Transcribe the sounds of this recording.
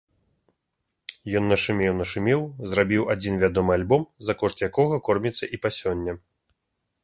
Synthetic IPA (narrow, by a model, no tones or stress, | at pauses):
jɔnːɐʂɨmʲɛwnɐʂɨmʲɛwzrabʲiwad͡zʲinvʲad̪ɔmɨalʲbɔmzɐkɔʂt̪jakɔɣɐkɔrmʲit̪sːɐʔipasʲɔnʲːɐ